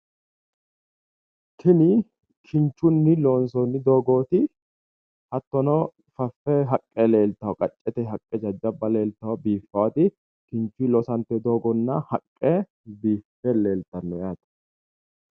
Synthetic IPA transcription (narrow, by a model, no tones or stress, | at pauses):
kʰɪnɪ | kʰɪnt͡ʃːʊnːɪloːnsɔnːɪd̪o̞ːɡo̞ːt̪ɪ | hɐt̪ːɔnɔ | fɐfːɛɦɐkʼːɛle̞ːlt̪ːɐwɐkʼɐt͡ʃʼːɛt̪ɛɦɐkʼːɛd͡ʒɐd͡ʒːɐbːɐle̞ːlt̪ɐwɐbiːfːɐwɐt̪ɪ | kɪnt͡ʃːʊilɔsɐnt̪ːɛd̪o̞ːɡɔnːɐhɐkʼːɛ | biːfːɛle̞ːlt̪ːɐnːɔjaːt̪ɐ̥